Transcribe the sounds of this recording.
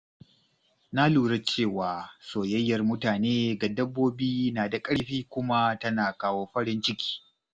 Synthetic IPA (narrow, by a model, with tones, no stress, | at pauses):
na˦luː˨ɽɐ˦t͡ʃeː˦˨waː˨soː˨jɐ˦jːɐ˨rmʊ˦taː˨neː˦ɡa˨dɐ˦bːoː˦biː˦naː˨da˨kʼɐ˦ɽɸiː˦kʷʊ˦ma˦tɐ˦naː˨kaː˦woː˦ɸɐ˦ɽɪ˦nt͡ʃɪ˦kʲi̥ː˦